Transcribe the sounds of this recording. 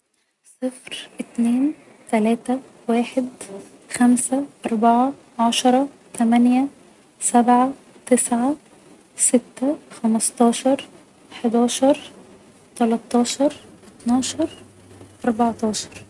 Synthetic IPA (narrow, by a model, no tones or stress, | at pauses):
sˤɨfɾʔɪt̪neːn | t̪ælæːt̪æ | waːħɪd̪ | xæmsæʔɑɾˤbɑʕa | ʕɑʃɑɾˤɑ | t̪æmænjæ | sæbʕa | t̪ɪsʕa | sɪt̪ːæxɑmɑst̪ˤɑːʃɑɾˤ | ħɪd̪ɑːʃɑɾˤ | t̪ɑlɑt̪ˤːɑːʃɑɾˤʔɪt̪nɑːʃɑɾˤ | ʔɑɾˤbɑʕt̪ˤɑːʃɑ̥ɾˤ